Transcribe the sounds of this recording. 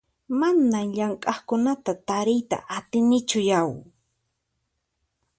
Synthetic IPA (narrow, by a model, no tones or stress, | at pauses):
manamʎaŋkʼɑχkʊnat̪at̪aɾɪjt̪a̰ʔat̪ɪnɪt͡ʃʊjaw